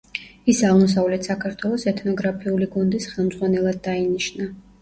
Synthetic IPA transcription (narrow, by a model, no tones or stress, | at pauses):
isaʁmɔs̬avlɛt̪ʰsakʰaɾt̪ʰwɛlˠɔsɛt̪ʰnɔɡɾapʰiuliɡɔnd̪isχɛlˠmd̪zʁwanɛlˠad̪̚ːainiʃna